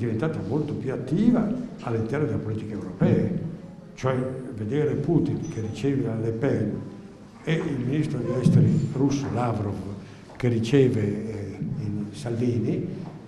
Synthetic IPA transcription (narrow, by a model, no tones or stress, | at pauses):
d̪ivent̪aːt̪amolt̪opjuat̪ːiːva | alːint̪ɛɾrnod̪elːapolit̪ikeewɾopɛːe | t͡ʃoɛved̪eːɾeput̪inkʰerit͡ʃɛːvealepɛn | eilminist̪ɾod̪eʎɛst̪eɾirusːolavɾov | kerit͡ʃɛːve | insalviːni